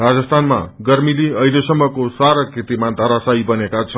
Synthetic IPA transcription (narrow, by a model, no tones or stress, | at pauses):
rad͡zʌst̪ʰanma̰ɡʌɾmiliʌilesʌmːʌkosaɾakit̪imad̪ʱʌɾasaibʌnekat͡sʰʌn